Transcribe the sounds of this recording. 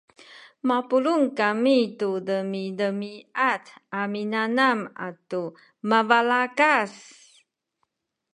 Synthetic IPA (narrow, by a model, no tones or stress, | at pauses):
mapuluŋkamitudəmidəmiataminanama̰tu | mavalakas